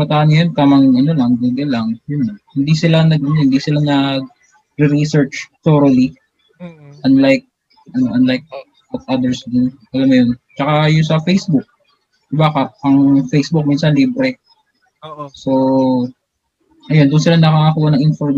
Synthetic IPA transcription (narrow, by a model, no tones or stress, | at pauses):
bɐt̪aʔɐnɐjont̪aːmɐŋʔɐnolɐŋd̪uɡɐlɐŋjʊnːɐhɪnd̪isɪlanɐɡ̚ɐnohɪnd̪isɪlanɐ | ɾɪɾisɛɹt͡ʃt̪oɾɐli | ʔɐnlajk̚ | ʔɐnoʔɐnlajk̚ | wɐt̪̚ʔɐd̪ɛɹsd̪uʔɐlɐmːɐjont͡ʃɐkajʊnsɐfejsbʊk̚ | bakɐʔɐŋfejsbʊk̚minsɐnliːbɾɛ | so | ʔɐjond̪ʊnsɪlanɐkaːkɐkuːwɐnɐŋʔɪnfo